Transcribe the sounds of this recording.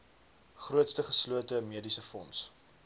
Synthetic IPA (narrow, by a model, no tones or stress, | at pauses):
χruətstəχəsluətəmiədisəfɔ̰ns